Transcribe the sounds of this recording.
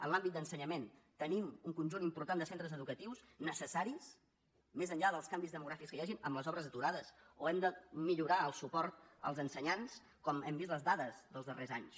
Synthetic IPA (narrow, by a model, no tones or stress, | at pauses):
ə̰nlambit̪̚d̪ənsəɲəment̪ənimuŋkunʲʒunimpuɾt̪and̪əsent̪ɾəzəðukət̪iwsnəsəsaɾis | mezəɲʎaðəlˠskambizðəmuɣɾafikskəjaʒinə̰mləzɔβɾəzət̪uɾaðəsoɛmd̪əmiʎuɾaəlˠsupɔɾt̪̚ə̰lˠzənsəɲans | kɔmɛmbizt̪ləzðaðəzðəlˠzðərezaɲs